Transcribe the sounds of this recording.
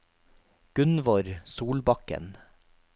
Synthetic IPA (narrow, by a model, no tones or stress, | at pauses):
ɡ̥ʉnʋɔɾsuːlbɑkə̰n